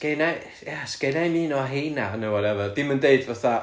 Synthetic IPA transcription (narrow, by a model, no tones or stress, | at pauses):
kejnaj | jasɡ̥ejnajmiːnɔɦejnanəwɔɾɛvəd̥ɪməndeɨdvaθa